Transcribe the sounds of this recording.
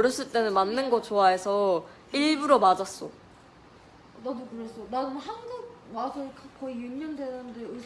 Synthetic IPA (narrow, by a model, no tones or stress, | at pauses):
ɾjʌs͈ɯɭt͈e̞nɯnmanːɯnɡʌt͡ɕoaɦe̞sʰʌ | iɭbuɾomad͡ʑas͈o | nadukɯɾes͈onaɡɯɦanɡuk̚masʰʌkʰakʌijuɲʌndenandeɯ